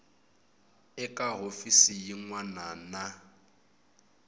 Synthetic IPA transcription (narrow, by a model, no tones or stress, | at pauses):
ɛkʼaɦofisijiŋwanana